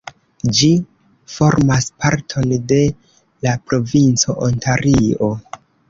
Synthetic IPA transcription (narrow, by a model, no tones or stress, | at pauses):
d͡ʒi | fo̞ɾmaspaɾtʰo̞nde̞ | lapɾo̞vint͡so̞ʔontaɾio̞